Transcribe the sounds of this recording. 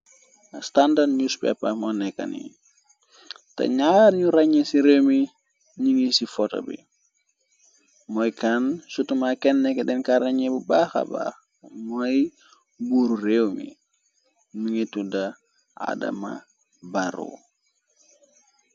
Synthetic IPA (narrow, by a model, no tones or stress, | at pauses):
standaɲuspɛ̰pːɐmɔnɛkːɐ̰nḭ | tɐ̰ɲaɾɲuɾɐɲesiɾewmi | ɲiŋisifɔtɐ̰bḭ | mɔjkansutumakɛnːɛkːɛdɛnkaɾɐɲɛbubaxɐ̰ba̰x | mɔj | buɾurewmḭ | nuŋetːudɐ | a̰dɐ̰ma̰ | baɾo̰